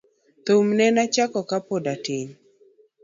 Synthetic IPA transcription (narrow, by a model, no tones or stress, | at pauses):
t̪omnɛnat͡ʃakɔkapodatɪɲ